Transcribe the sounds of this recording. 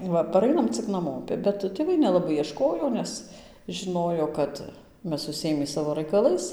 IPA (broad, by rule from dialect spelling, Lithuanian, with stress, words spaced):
ˈʋɐ pɐˈrɐɪnɐm t͡sʲɪk nɐˈmoːpʲɪ bʲɛt tʲeːˈʋɐɪ nʲɛlˠɐˈbɐɪ iɛˈʃkoːjoː ˈnʲɛs ʒʲɪˈnoːjoː ˈkɐt ˈmʲɛs ʊʃʲsʲɪˈeːmʲiː ˈsɑːʋoː rɐɪkɐˈlˠɐɪs